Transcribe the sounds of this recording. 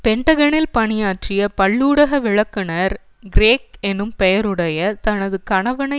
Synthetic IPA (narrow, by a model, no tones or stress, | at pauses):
pɛɳʈ̪ɐɣɐnɪlpɐɳɪjaːʈrɪjɐpɐɭːuːɽɐɣɐʋɪɻɐkːɯnɐɾ | ɡɪɾeːkɛnːɯmpɛjɐɾɯɽɐjɐt̪ɐnɐðɯkɐɳɐʋɐnɐ